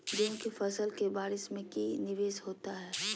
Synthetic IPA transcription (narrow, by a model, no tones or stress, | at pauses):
d͡ʒõːkifɐsəlkebaːɾɪʃmẽkinɪʋeːsɦoːt̪aɦɛː